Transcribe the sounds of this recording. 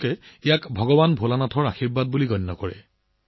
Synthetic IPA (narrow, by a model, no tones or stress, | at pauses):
kɛijakbʱɔɡɔbanbʱolanatʰɔɹaxiɹbad̚buliɡɔnːɔkɔɹɛ̰